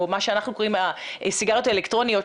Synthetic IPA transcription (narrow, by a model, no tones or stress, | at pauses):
omaʃeanaχnuko̞ʁimaʔesiɡaʁotaelekt̪ʁo̞nijo̞